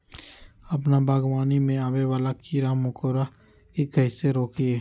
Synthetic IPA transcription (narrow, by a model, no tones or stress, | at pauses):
ɐp̬nabaːɡʋaːnimẽaːweʋaːlakʰiːɾamʊkoːɾa | ɪk̚ɡʱɐɪseɾoːkʰieː